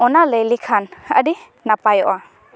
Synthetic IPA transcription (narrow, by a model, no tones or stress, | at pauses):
ɔnaləjlikʰanə̰di | napajɔʔa